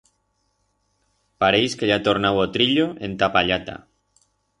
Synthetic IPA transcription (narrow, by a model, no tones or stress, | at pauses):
paɾejskeʎat̪oɾnawot̪ɾiʎoent̪apaʎat̪a̰